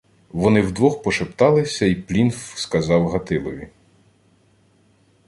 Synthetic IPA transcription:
ʋɔnɪwd̪ʋɔxpɔʃept̪ɑlˠɪsʲɐiplʲinfskɐzɑwɦɐt̪ɪlˠɔʋʲi

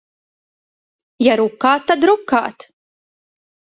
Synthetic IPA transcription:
jaɾukːaːt̪ːad̪ɾukːa̰ːt̪

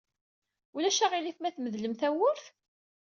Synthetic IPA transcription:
ulæʃæʁiliθmæθməðləmθæwʊɾθ

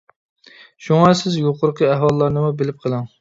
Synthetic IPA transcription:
ʃuŋɑsɪzjoqʰʊɾqʰəɛɦwɑlˠːɑɾnɨmubelɪp̚qʰəlˠɨŋ

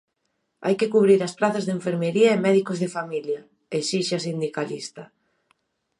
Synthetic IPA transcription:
a̰jkɪkuβɾiɾɐspɾaθazðeɱfeɾmeɾiɐemɛðikozðefamiljɐ | eʃiʃasind̪ikalist̪ɐ

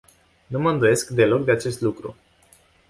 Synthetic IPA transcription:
numəɨnd̪uje̞skd̪e̞lo̞k̚d̪eat͡ʃe̞st̪lukɾṵ

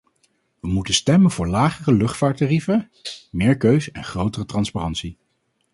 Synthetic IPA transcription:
ʋəmutənstɛmənvʊːɹlaːχərəlɵχtfaːɹtarifə | mɪːɹkøɥzɛnχrowtərətrɑnsparɑntsi

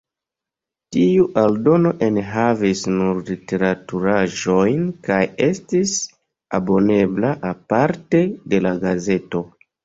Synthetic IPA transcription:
tiuʔaldo̞no̞ʔe̞nɦavisnuɾlite̞ɾatuɾaʒo̞jnkaje̞stis | abo̞ne̞blaʔapaɾte̞de̞laɡaze̞to̞

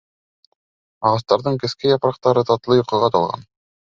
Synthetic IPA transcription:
ɑʁɑs̬t̪ɑɾðɤɴkɘ̆skɘjɑpɾɑq̚t̪ɑɾɤt̪ɑt̪lˠɤjŏqɤ̆ʁɑt̪ɑlˠʁɑ̰n

